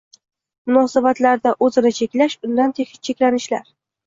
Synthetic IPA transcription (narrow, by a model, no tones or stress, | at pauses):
mʊnɒsabat̪laɾd̪aʔɵzɪnɪt͡ʃʰe̞kʲlaʃʊnd̪ant̪ʰeʃɪt͡ʃʰekʲlanɪʃlaɾ